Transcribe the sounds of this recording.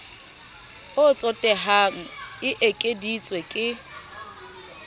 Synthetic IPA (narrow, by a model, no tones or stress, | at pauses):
ʊt͡sʼɔtʼɛɦaŋ̩ɪʔekʼedit͡sʼwekʼɪ